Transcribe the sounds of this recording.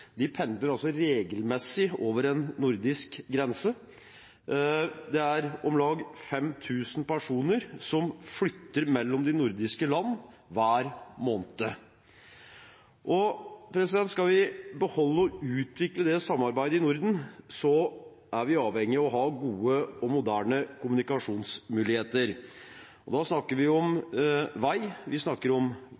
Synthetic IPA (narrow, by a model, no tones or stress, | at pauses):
d̪ɪpʰɛnd̪ləɾɑlsɔɾeːɡəlmɛsːɪoːʋəɾɛnːʊɾd̪ɪskɡɾɛnsə | d̪ɛæɾɔmlɑːɡfɛmt̪ʰʉːsnpʰæʂuːnəɾsɔmflʏt̪ːəɾmɛlːɔmd̪ɪnʊɾd̪ɪskəlɑnː | ʋæːɾmoːnət̪ə | ʔɔpʰɾɛsɪd̪ɛnt̪skɑlʋɪbəhɔlːəɔʉːt̪ʋɪkləd̪ɛsɑmːɑɾbæɪd̪əɪnʊɾd̪n̩sɔ | æɾʋɪɑːʋhɛŋːɪɑɔɦɑɡuːəɔmʊd̪æːɳəkʰʊmʉnɪkɑʂuːnsmʉːlɪheːt̪əɾ | ɔd̪ɑsnɑkːəɾʋɪɔmʋæɪʋɪsnɑkːəɾɔm